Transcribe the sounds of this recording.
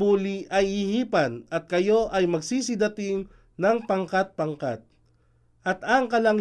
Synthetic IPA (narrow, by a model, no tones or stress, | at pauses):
uːliʔɐjhɪhiːpɐnɐt̪̚kɐjo̞ʔɐjmɐɡsiːs̬ɪd̪ɐt̪ɪŋ | nɐŋpɐŋkat̪̚pɐŋkat̪̚ | ʔɐt̪ɐŋkɐlɐŋ